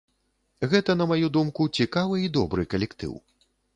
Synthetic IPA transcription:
ɣɛt̪ɐnɐmajud̪umkut͡sʲikavɨid̪ɔbɾɨkɐlʲɛkt̪ɨ̰w

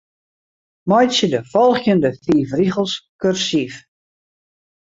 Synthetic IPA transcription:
mɔjsədəfɔlˠxjəndəfiːfriɣəlˠskørsif

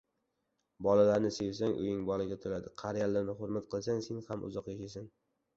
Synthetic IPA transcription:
bɒlalaɾnɪse̞vsaŋʔʊ̰jɪŋbɒlɪɡʲat̪ʰʊlad̪ɪqʰɑɾjalːaɾnɪχʊɾmat̪qɨlˠsaŋse̞nhamʔʊ̰zɒqjaʃasan

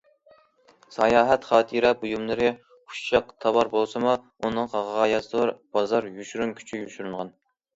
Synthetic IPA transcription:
sɑjɑːɦɛt̪χɑːt̪ʰiɾɑbujumlˠɨɾɨ | u̥ʃt͡ʃɑqt̪ʰɑwɑɾbolˠsɨmu | unɨŋʁɑʁɑːjɑsɨlˠɨɾb̥ɑzɑɾjyʃyɾumkʲʰy̥t͡ʃʰyjyʃyɾynʁɑn

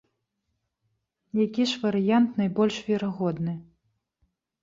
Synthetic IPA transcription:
jakʲiʂvɐɾɨjant̪nɐjbɔlʲʂvʲɛɾaɣɔd̪nɨ

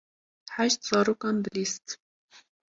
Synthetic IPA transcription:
ħaʃt̪z̥ɑːɾuːkɑːnbɨliːst̪

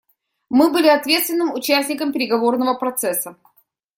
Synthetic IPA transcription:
mɨbɨlʲɪɐt̪vʲe̞t̪st̪vʲɪnːɨmʊt͡ɕæsʲnʲɪkəmpʲɪɾʲɪɡɐvo̞rnəvəpɾɐt̪sɛsːə

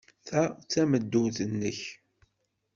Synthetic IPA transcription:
θæt͡sːæməd̪ːuθənːəç

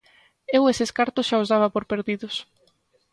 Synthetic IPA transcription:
eweseskaɾt̪ʊsʃaozðaβapoɾpeɾðiðʊs

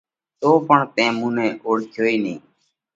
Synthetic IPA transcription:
t̪oːpəɳt̪ẽːmũːnẽːʔoːɽkʰjoːiːnĩː

